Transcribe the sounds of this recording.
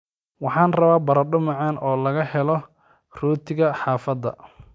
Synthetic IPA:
wɑħɑːnrɐβaːbɐɾɐɖʊmɑʕɑːnɔːlɐɣɐhɛlɔ | ruːt̪ʰɪɣɐħɑːfɐd̪ɐ̰

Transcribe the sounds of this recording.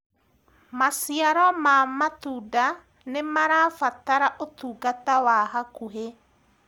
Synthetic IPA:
masiaɾɔmamatuda | nemaɾafataɾaʔot̪uːɡatawaɦakuɦe

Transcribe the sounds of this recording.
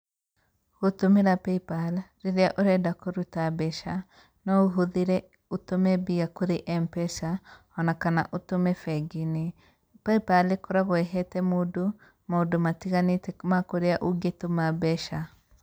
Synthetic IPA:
ɣotomeɾapɛipalɾeɾeaʔoɾɛdakoɾutabɛʃa | nɔoɦoðeɾɛ | otomɛbiakoɾeʔɛmpɛsa | ɔnakana̰ʔotomɛfɛɡine | pɛipalekɔɾaɣoɛɦɛtɛmodo | maodomatiɣanetɛmakoɾeaʔoɡetomabɛʃa

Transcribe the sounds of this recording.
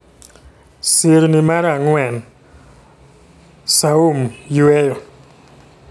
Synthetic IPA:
seɾnimaɾaŋwɛn | saumjwɛjɔ

